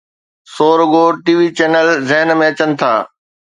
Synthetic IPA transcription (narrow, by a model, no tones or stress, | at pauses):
soːɾɡoːʈiːʋit͡ɕeːnəlzɪɦənmẽɐt͡ɕənɪ̆t̪ʰa̰ː